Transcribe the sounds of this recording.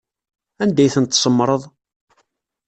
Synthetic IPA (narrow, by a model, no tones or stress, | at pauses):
ænd̪æjθənt̪ːsˤəmːɾˤəðˤ